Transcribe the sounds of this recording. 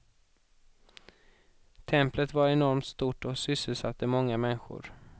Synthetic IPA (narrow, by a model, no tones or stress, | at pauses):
t̪ʰɛmplət̪vaɾɛnɔɾmt̪st̪uːʈɔsʏsːəlsat̪ːəmɔŋːamɛnɧʊ̰ɾ